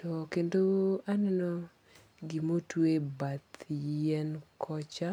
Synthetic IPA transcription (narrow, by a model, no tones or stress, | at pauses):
tɔkendoanɛnɔ | ɡimotwebat̪jɛnkʰɔt͡ʃa